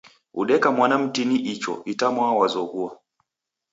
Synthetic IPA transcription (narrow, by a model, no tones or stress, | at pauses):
ṵɗɛkamwanam̩tiniʔit͡ʃɔ̰ʔitamwawazɔɡua